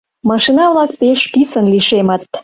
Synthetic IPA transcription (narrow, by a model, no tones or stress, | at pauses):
mɑʃinɑβlɑk̚peʃpisə̆nliʃemə̆t̪